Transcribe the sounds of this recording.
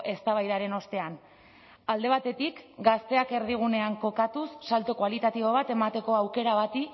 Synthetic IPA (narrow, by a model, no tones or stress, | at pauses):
ʔe̞st̪aβajðaɾe̞no̞st̪e̞an | ald̪e̞β̞at̪e̞t̪ikɡast̪e̞ake̞ɾðiɣ̞une̞aŋko̞kat̪usːalt̪okwalit̪at̪iβo̞β̞at̪e̞mat̪e̞ko̞awke̞ɾaβat̪i